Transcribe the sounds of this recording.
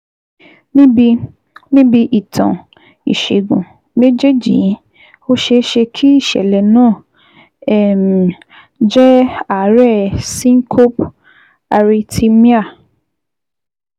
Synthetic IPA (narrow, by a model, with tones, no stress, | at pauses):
nĩ˦bi˧ | nĩ˦bi˧ʔi˨tʰã̰˨ | i˨ʃe˨ɡṵ̃˨ | me˦d͡ʒe˦˨d͡ʒḭ˨˦ | o˦ʃe˧˦ʃe˧kʰi˦i˦˨ʃɛ̰˨lɛ˨nãː˦˨ | ɛ˦˨m˨ | d͡ʒɛ˦a˨˦ɾɛ˦˨sĩ˦ŋ̩˦kʰo˦p | a˧ɾi˧tʰi˧mi˦a˦˨